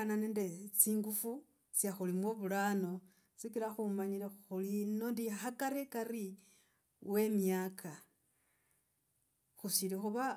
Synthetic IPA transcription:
ananendet͡siːŋɡufu | t͡sjaxulimwoβulano̞ | t͡sikilaxumaɲiɾeuxulino̞ndihakaɾikari | we̞mjakʰa | xusilixuβa

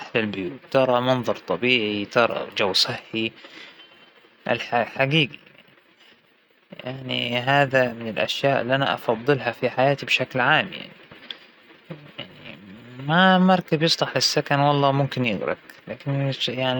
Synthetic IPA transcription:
ħlɪlbʊjuːt̪t̪ːɑɾˤɑmɑnðˤɑɾˤt̪ˤɑbiːʕit̪ɑɾˤɑ̰d͡ʒawsˤɨħːi | ʔɪ̰lħaħaɡiːɡi | jaʕniɦaːðamɪnɪlʔa̰ʃjaːʔɪ̰lːiʔana̰ʔɑ̰fɑðˤːɨlɦafiħajaːt̪ibʃaklʕaːmja̰ʕni | jaʕnḭmamɑɾˤkabjɨsˤlɑħlɪsːakanwɑlˤːɑːmʊmkɪnjɪɣɾɑ̰klaːkɪnjaʕni

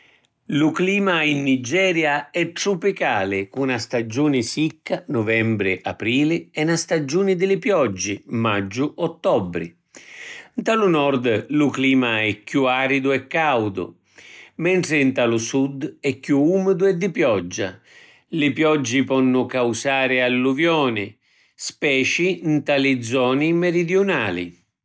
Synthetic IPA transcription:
lʊkliːmainːid͡ʒɛːɾjaɛt̪ːɾupikaːlɪkunast̪ad͡ʒːuːnɪsikːanɔvɛmbɾɪʔa̰pɾiːlɪɛnast̪ad͡ʒuːnɪd̪ɪlɪpjɔd͡ʒːɪmad͡ʒːʊɔt̪ːɔbːɾɪ̰ | nt̪alunɔɾd̪lʊkliːmaɛkːjuaːɾid̪ʊɛkːawd̪ʊ̰ | mɛɳʈ̪ɾɪnt̪alʊsud̪ɛkːjuuːmɪd̪ʊɛd̪ːɪpjɔd͡ʒːa̰ | lɪpjɔd͡ʒːipɔnːʊkawsaːɾɪalːuvjɔːnɪ | spɛːt͡ʃint̪alɪd̪zːɔːnɪmɛɾid̪juna̰ːlɪ̰

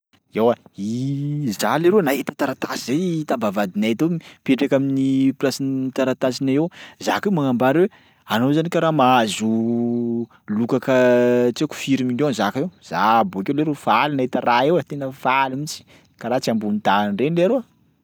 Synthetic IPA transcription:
ewaizaleɾenaɦet̪ə̥t̪aɾat̪asizejt̪ambavad̪inaɦet̪epeʈ͡ʂakʲaminiplasinit̪aɾat̪asinaewza̰kemaŋambaɾwe | anozanikʲaɾamazu | lukakət͡seku̥fiɾiminonzakaewz̥a̰boakewleɾefalinaɦet̪əraewat̪enəfalimit͡si̥ | kaɾaːt͡siambunid̪anrenleaɾoa

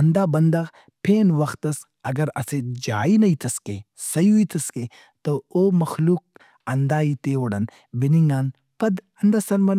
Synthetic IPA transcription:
ɐnd̪aːbɐnd̪aː | pʰeːnʋɐxt̪ɐs | ɐɡɐɾɐ̰sed͡ʒaːinɐit̪ɐskḛːsɐjuit̪ʰɐskeː | t̪ooːmɐxluːk̚ | ɐnd̪aːit̪eːwoɽɐn | biniŋɡaːn | pɐd̪ | ɐnd̪asɐnbɐn

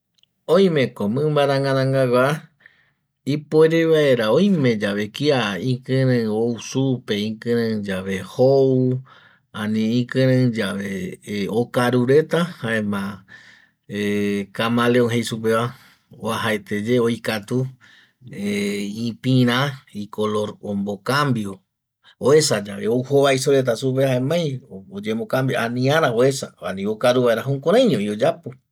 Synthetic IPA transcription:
õj̃mẽkomɨ̃mbaɾãŋãnãŋɡaɡʷa | ipoeɾeβaeɾaõjmẽ̞d͡ʒaβe̞kiaĩkɨ̃ɾɨ̃ousupeĩkɨ̃ɾɨ̃d͡ʒaʋe̞hou | ãnĩːkɨ̃ɾ̃ɨ̃d͡ʒaʋeokaɾuɾet̪ahaẽmã | ekamãleoŋɦejsup̬eβa | oaɦaet̪ed͡ʒeojkat̪u | eĩpĩɾ̃ãikolo̞ɾombokambjo | oe̞sad͡ʒaβeowhoβaisoɾe̞t̪̬asup̬ehaẽmãjod͡ʒemokambjoʔanĩaɾaoe̞saa̰nĩokaɾuβaeɾaɦũkoɾ̃ãj̃ɲõiod͡ʒapo

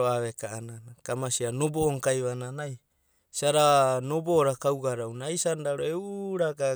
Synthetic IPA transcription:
oaβekaananakamasianobooŋkajβananaj | siaɾano̞boːɾakawɡaɾawnajsandaɾoewɾaɡa

